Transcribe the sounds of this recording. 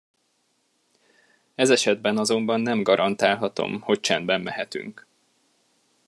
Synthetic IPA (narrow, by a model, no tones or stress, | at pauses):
ɛzɛʃɛd̪bɛnɒzo̞mbɒnːɛmɡɒɾʔɒnt̪aːlɦɒt̪o̞̰mho̞ct͡ʃɛnd̪bɛmmɛɦɛt̪y̰ŋk